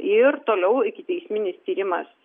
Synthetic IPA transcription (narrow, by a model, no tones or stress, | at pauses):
ɪɾt̪oːlʲɛʊɪkʲɪt̪ʲɛɪsʲmʲɪnʲɪst̪ʲiːɾʲɪmɐ̰s